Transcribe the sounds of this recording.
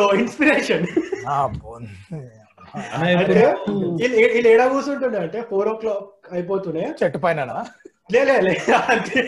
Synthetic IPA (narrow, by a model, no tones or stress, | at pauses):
oːinspiɾeːʂɐnapon | ɐnːaɐɳʈeileilːeːɽaːɡuːsuɳʈund̪iɐɳʈepʰoːɾɔːklɔːkɐjp̬oːt̪uneːt͡ʃeʈːupɐjnana | leːleːleɐt̪e